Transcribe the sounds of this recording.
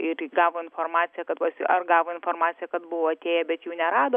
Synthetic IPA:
ɪɾɡɑːʋoɪnfoːrmɑːtsʲɪjɛkɐt̪pɐsʲʔɐrɡɑːʋoːɪnfoːrmɑːt̪t͡ssʲɪjɛkɐt̪bʊʋoːɐt̪ʲeːjɛbʲɛt̪juːnʲɛɾɑːd̪oː

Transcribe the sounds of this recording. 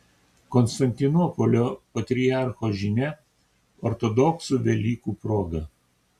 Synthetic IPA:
kɔnst̪ɐnʲt̪ʲɪnɔːpɔlʲoːpɐt̪ʲɾʲɪɑˑɾxoːʒʲinʲɛ | ɔɾt̪ɔd̪ɔksuʋʲɛlʲiːkuːpɾoːɡɐ

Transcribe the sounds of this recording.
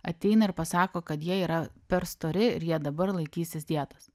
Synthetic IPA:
ɐ̰t̪ʲɛɪnɐɪɾpɐsɑːkoːkɐt̪jiɛiːɾɐpʲɛɾst̪oːɾʲɪɪ̰ɾjiɛd̪ɐbɐɾlˠɐɪkʲiːsʲɪsd̪ʲiɛt̪ɐs

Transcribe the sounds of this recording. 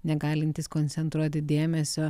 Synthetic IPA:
nʲɛɡɑːlʲɪnʲt̪ʲiːskoːnʲtsʲɛnt̪ɾuɔt̪ʲɪd̪ʲeːmʲɛsʲoː

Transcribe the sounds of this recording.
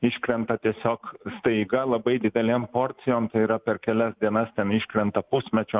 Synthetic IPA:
ɪʃʲkɾʲɛnt̪ɐt̪ʲiɛsʲoːkst̪ɐɪɡɐlˠɐbɐɪd̪ʲɪd̪ʲɛlʲeːmpoɾʲt̪sʲɪjoːmt̪ɐɪiːɾɐpʲɛɾkʲɛlʲɛsd̪ʲiɛnɐst̪ʲɛnɪʃʲkɾʲɛnt̪ɐpʊsʲmʲɛt͡ʃʲoː

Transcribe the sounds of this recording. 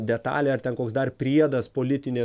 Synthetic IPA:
d̪ʲɛt̪ɑ̰ːlʲeɐrt̪ʲɛnkoːksd̪ɐrpʲɾʲiɛd̪ɐspoːlʲɪt̪ʲɪnʲe

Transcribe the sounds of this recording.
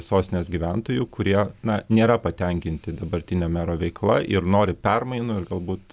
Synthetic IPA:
ɪsoːsʲnʲeːsɡʲiːʋʲɛnt̪oːjuːkʊɾʲiɛnɐnʲeːɾɐpɐt̪ʲɛŋʲkʲɪnʲt̪ʲɪd̪ɐbɐɾʲt̪ʲɪnʲɛmʲæːɾoːʋʲɛɪklˠɐʔɪɾnoːɾʲɪpʲɛrmɐɪnʊɪrɡɐlˠbuːt̪

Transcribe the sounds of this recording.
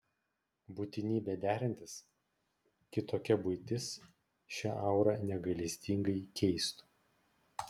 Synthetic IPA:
buːt̪ʲɪnʲiːbʲɛd̪ʲæːɾʲɪnʲt̪ʲɪs | kʲɪt̪oːkʲɛbʊɪt̪ʲɪs | ʃʲɛʔɐɑˑʊɾɑnʲɛɡɐlʲiɪsʲt̪ʲɪŋɡɐɪkʲʰɛɪst̪u̥

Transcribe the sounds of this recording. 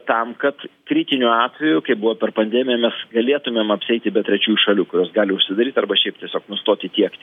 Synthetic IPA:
t̪ɐmkɐt̪kɾʲiːt̪ʲɪnʲuːɑːt̪ʲʋʲɛjʊkɐɪbʊʋoːpʲɛrpɐnʲd̪ʲɛːmʲɪjɛmʲɛsɡɐlʲeɛt̪ʊmʲeːmɐpʲsʲɪɛɪt̪ʲɪbʲɛt̪ɾʲɛt͡ʃʲuːjuʃɐlʲuːkʊɾʲoːsɡɑːlʲɪʊʃʲsʲɪd̪ɐɾʲiːt̪ɐrbɐʃʲɛɪp̚t̪ʲiɛsʲoːknʊst̪oːt̪ʲɪt̪ʲiɛk

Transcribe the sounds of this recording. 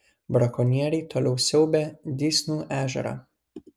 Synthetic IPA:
bɾɐkɔnʲiɛɾʲɛɪt̪oːlʲɛʊsʲɛʊbʲed̪ʲiːsʲnuːʔæːʒʲɛ̰ɾɑ̰

